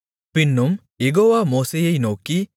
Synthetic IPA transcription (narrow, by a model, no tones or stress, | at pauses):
pɪnːum | jeɣoːʋaːmoːsejɐɪnoːkːi